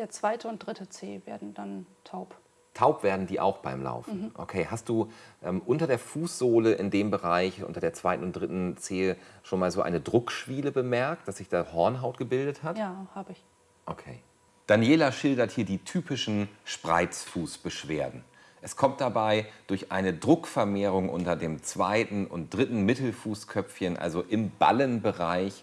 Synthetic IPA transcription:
d̥eːɐt͡sv̥aɪtəʊnt̚d̥ʁɪtət͡seːveːɐdn̩d̥antʰaʊp | tʰaʊpv̥eːɐdn̩diːʔa̰ʊxb̥aɪmla̰ʊfn̩ʔo̰kʰeːhast̚d̥uːʔɛːmʔʊntɐdeːɐfuːsz̥oːləʔɪndeːmbəʁaɪçʔʊ̰ntɐdeːɐt͡sv̥aɪtn̩ʊntdʁɪtn̩t͡seːʃoːnmaːlzoːʔa̰ɪnədʁʊkʃv̥iːləbəmɛɐk̚t̚d̥asz̥ɪçd̥aːɐɦɔɐnɦaʊtɡ̥əbɪldəthataːhaːbəɪç | ʔokʰeː | d̥anjeːlaʃɪldɐthiːɐdiːtʰyːpɪʃn̩ʃpʁ̥a̰ɪt͡sfuːsb̥əʃv̥eːɐdn̩ | ʔɛskʰɔmt̚d̥abaɪd̥ʊɐçʔa̰ɪnədʁʊkfɛɐmeːʁ̞ʊŋʔʊ̰ntɐdeːmt͡sv̥aɪtn̩ʊ̰nt̚d̥ʁɪtn̩mɪtl̩fuːskʰœp͡fçənʔa̰lzoʔɪmba̰lənbəʁaɪç

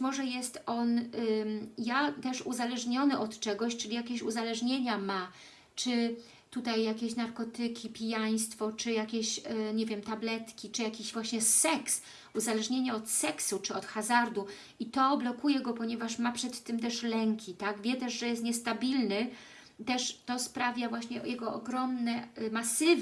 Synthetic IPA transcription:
bt͡ɕmɔʐɛjɛst̪ɔn | jat̪ɛʂuzalɛʐɲɔnɘʔɔt̪t͡ʂɛɡɔɕt͡ʂɘlʲijakʲeɕuzalɛʐɲeɲama | t͡ʂɘ | t̪ut̪ajːakʲeɕnaɾkɔt̪ɘkʲipʲijaj̃st̪fɔt͡ʂɘjakʲeɕɲɛvʲjɛmt̪ablɛt̪kʲit͡ʂɘjakʲeʑvwaɕɲɛsɛks | uzalɛʐɲeɲaɔt̪sɛksut͡ʂɘɔt̪xazaɾd̪u | it̪ɔblɔkujɛɡɔpɔɲɛvaʂmapʂɛt̪ːɘmt̪ɛʂlɛŋkʲit̪aɡvʲjɛt̪ɛʂʐɛjɛst̪̚ɲɛst̪abʲilnɘ | t̪ɛʂt̪ɔspɾavʲjavwaɕɲɛjɛɡɔʔɔɡɾɔmnɛmasɘv

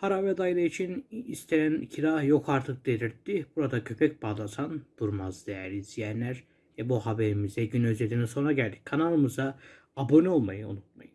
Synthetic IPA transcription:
haɾavɛd̪ajd̪ˠɯit͡ʃʰinist̪ʰejæncʰiɾahjo̞kʰaɾt̪ʰɯk̚d̪ed̪iɾt̪ːib̥uɾad̪acʰø̞pʰɛc̚baːlˠasand̪̥uɾmazd̪ejæɾlʲizijænlʲæɾ | vɛbuɦabe̞ɾimizɛɟynøzed̪iniso̞nɾaɟælʲd̪icʲkʰanalˠɯmɯzaː | bo̞nio̞lˠmajɯṵnut̪̚majɯ

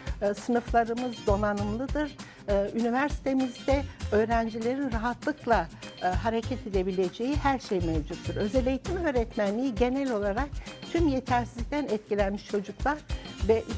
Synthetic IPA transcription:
sɯnɯflˠaɾɯmɯzd̪o̞nanɯmlˠɯd̪ɯɾ̥ | ɯynivæɾsi̥t̪ʰe̞mizd̪ɛø̞ːɾænd͡ʒilʲe̞ɾinɾaɦat̪lˠɯklˠaɦaɾecʰɛt̪ʰe̞d̪e̞bilʲe̞d͡ʒe̞jihæɾʃejmɛvd͡ʒut̪ːiɾø̞zelʲe̞jit̪ʰimiøɾɛt̪mænlʲijiɟe̞nɛlʲo̞lˠaɾak̚t̪ʰymje̞t̪ʰæɾsizlʲic̚ʲt̪ʰænɛt̪̚cilʲænmiʃt͡ʃʰo̞d͡ʒuklˠaɾ̥vɛʔ

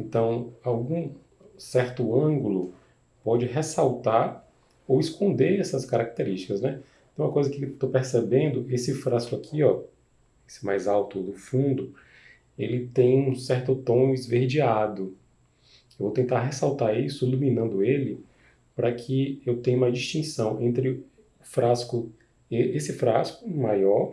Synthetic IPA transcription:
ẽnt̪ɐ̃w̃awɡũ | sɛɾt̪ʊɐ̃ɡulʊ | pɔd͡ʒɪɦesawt̪aɾ | owɪskõnd̪eɾɛsɐskaɾak̚t̪eɾiʃt͡ʃɪ̥kɐznɛ | ẽũmɐkojzɐkɪt̪opeɾsebẽnd̪ʊʔesɪfɾaskʊakʰiɔ | esɪ̥ma̰jzawt̪ʊd̪ʊfũd̪ʊ | elɪt̪ẽj̃ũsɛɾt̪ʊt̪õw̃ɪzveɾd͡ʒiad̪ʊ | ewvowt̪ẽnt̪aɾɦesawt̪aɾisʊilumĩnɐ̃nd̪ʊelɪ | pɾɐkʰɪewt̪ẽɲ̃ũmɐd͡ʒiʃt͡ʃĩsɐ̃w̃ʔẽnt̪ɾɪ | ʊfɾaskʊ | eesɪfɾaskʊmajɔɾ

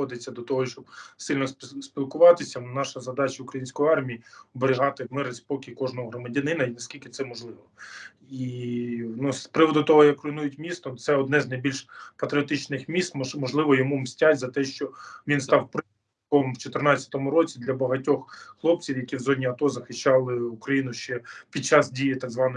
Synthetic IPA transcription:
ɔd̪ɪt͡sʲːɐd̪ɔt̪ɔɦɔʃt͡ʃɔb̚sɪlʲnɔspʲilˠkʊʋɑt̪ɪsʲɐnɑʃɐzɐd̪ɑt͡ʃɐʊkɾɐjinʲsʲkɔjiɑrmʲijiɔbeɾʲɪɦɑt̪ɪmɪɾɪspɔkʲikɔʒnɔɦɔɦɾɔmɐdʲɐnɪnɐinɐsʲkʲilʲkɪt̪sɛmɔʒlˠɪʋɔ | i | nuspɾɪʋɔd̪ʊt̪ɔɦɔjɐkrɔjnujʊtʲmʲist̪ɔt̪sɛɔd̪nɛznɐjbʲilʲʃpɐt̪ɾʲɪɔt̪ɪt͡ʃnɪxmʲist̪mɔʒlˠɪʋɔjɔmumsʲtʲatʲzɐt̪ɛʃt͡ʃɔʋʲinst̪ɑwpɾ | kɔmwt͡ʃɔt̪ɪrnɑt͡sʲːɐ̥t̪ɔmʊɾɔt͡sʲid̪lʲɐbɐɦɐtʲɔxxlˠɔp̚t͡sʲiwjɐkʲiwzɔdʲnʲiɐt̪ɔzɐxɪʃɑlˠɪukɾɐjinʊʃt͡ʃɛpʲid̚t͡ʃɑsdʲijit̪ɑɡzʋɑnɔ

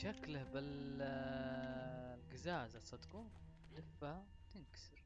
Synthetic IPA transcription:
ʃaklahbɪl | lɡɪzaːzasˤɑt̪kuːn | d̪ɪfaha | t̪ɪnksɪɾ

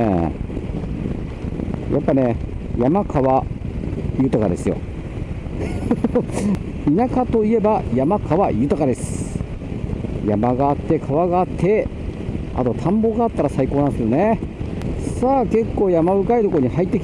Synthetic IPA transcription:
ḛ | ja̰pːane̞jamakʰaβa | jɯ̟ːt̪akad̪e̞sɨjo̰ | inakat̪o̞ie̞bajamakʰaβajɯ̟ːt̪akad̪e̞sɨ̥ | jamaɡaːt̪ːe̞kʰaβaɡaːt̪ʰːe̞ | a̰t̪o̞t̪ʰãmbo̞ːɡaːt̪ːaɾasaikoːnãsɨjo̞ne | saːke̞kːo̞ːjamabɯ̟kaid̪o̞koɲ̟ihait̪ːeki

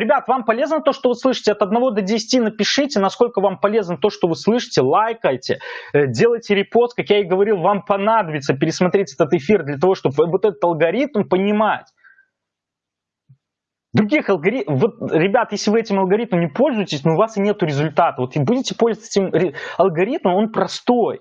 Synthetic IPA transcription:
ɾʲɪbʲat̪vampɐlʲe̞znət̪o̞ʂt̪ovɨslˠɨʂɨ̥tʲɪɐt̪ɐd̪nɐvo̞d̪ədʲɪsʲɪ̥tʲinəpʲɪʂɨtʲɪnɐsko̞lʲkəvampɐlʲe̞znət̪o̞ʂt̪o̞vɨslˠɨʂɨ̥tʲɪlˠajkəjtʲɪdʲe̞lˠəjtʲɪɾʲɪpo̞st̪̚kakjaɪɡəvɐɾʲilˠvampɐnad̪əbʲɪt̪səpʲɪɾʲɪsmɐt̪ɾʲetʲɛt̪ət̪ɨfʲird̪lʲɐt̪ɐvo̞ʂt̪o̞bvɨvot̪ɛt̪ət̪ɐlˠɡɐɾʲit̪mpənʲɪmatʲ | d̪ɾʊɡʲixɐlˠɡɐɾʲivot̪̚ɾʲɪbʲat̪jesʲlʲɪvɨɛtʲɪmɐlˠɡɐɾit̪məmnʲɪpo̞lʲzʊjɪtʲɪsʲnoʊvasɨnʲe̞t̪ʊɾʲɪzʊlʲt̪at̪əvo̞t̪budʲɪtʲɪ̥polʲzət͡s̪ʲɪmɾʲɪɐlˠɡɐɾʲit̪məmo̞npɾɐst̪o̞j

